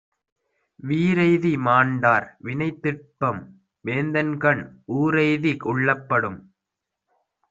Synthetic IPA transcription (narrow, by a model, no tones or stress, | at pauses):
ʋiːɾɐɪðimaːɳɖaːɾʋɪnɐɪt̪ːɪrpːɐm | ʋeːnd̪ɐnkɐɳʔuːɾɐɪðikʊɭːɐpːɐɽɯm